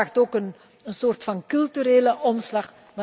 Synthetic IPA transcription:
aːxtoːkən | ənsoːrtfɑnkɵlˠtyɾeːləʔɔmslɑχ | mɛ

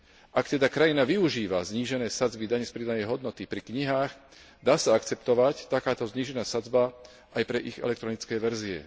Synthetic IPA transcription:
ʔakt̪ɛd̪akɾajinaʋiuʒiːʋazɲiːʒɛnɛːsad͡zbid̪aɲɛspɾid̪anɛjɦɔd̪nɔt̪ipɾikɲiɦaːɣ | d̪aːsaakt͡sɛpt̪ɔʋact̪akaːt̪ɔzɲiːʒɛnaːsad͡zba | ajpɾɛʔiɣɛ̰lɛk̚t̪ɾɔnit͡skɛːʋɛɾziɛ̰

